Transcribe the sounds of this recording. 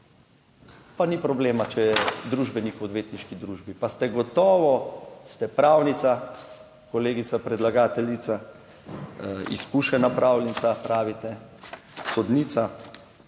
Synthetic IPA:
panipɾɔbleːmat͡ʃɛjɛd̪ɾuʒbɛnikɔd̪ʋeːt̪niʃkid̪ɾuːʒbipast̪ɛɡɔt̪ɔːʋɔst̪ɛpɾawnit̪sa | koleːɡit̪apɾɛd̪laɡaːt̪ɛlit̪sa | ḭskuʃɛnapɾawlɛnsapɾaːʋit̪ɛ | xɔd̪niːt̪sa

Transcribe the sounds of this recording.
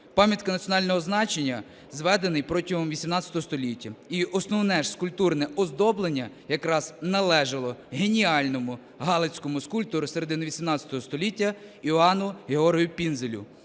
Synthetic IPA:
pɑmʲjɐt̪kɐnɐt̪sʲjɔnɑlʲnɔɦɔznɑt͡ʃenʲːɐ | zʋɛd̪enɪjpɾɔtʲiɦɔmʋʲisʲimnɑtt͡sʲɐ̥t̪ɔɦɔst̪ɔlʲitʲːɐiɔsnɔwnɛʃskʊlʲpt̪urnɛɔzd̪ɔblˠenʲːɐ | jɐkɾɑz̥nɐlˠɛʒɐlˠɔɦenʲiɑlʲnɔmʊ | ɦɑlˠet͡sʲkɔmʊskulʲp̚t̪ɔɾʊseɾed̪ɪnɐʋʲisʲimnɑt͡sʲɐ̥t̪ɔɦɔst̪ɔlʲitʲːɐiɑnʊɦeɔrɦijʊpʲinzelʲʊ̰

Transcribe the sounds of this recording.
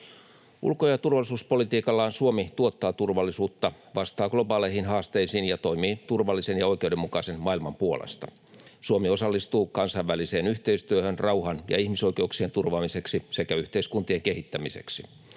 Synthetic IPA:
ʔṵlkojɑt̪urʋɑlːˑisuːspo̞lit̪iːkɑlːɑːnsuomit̪uot̪ːɑːt̪urʋɑlːisuːt̪ːɑ | ʋɑst̪ɑːɡ̥lo̞bɑːlehinɦɑːst̪eisiːnjɑt̪o̞imiːt̪urʋɑlːisenjɑo̞jkeudemːukɑisenmɑilmɑmpuolḛst̪ɑ | suomio̞sɑlːist̪uːkɑnsɑiʋːælise̞ːnyht̪eist̪yøhønrɑuhɑnjɑ̰ihmiso̞ike̞uksient̪urʋɑːmise̞ksisekæyht̪eiskunt̪ieŋkeɦit̪ːæmise̞̰ksi

